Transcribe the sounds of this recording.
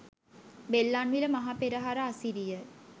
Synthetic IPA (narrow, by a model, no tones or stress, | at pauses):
belːanʋiləmaɦapeɾəɦaɾəasiɾijə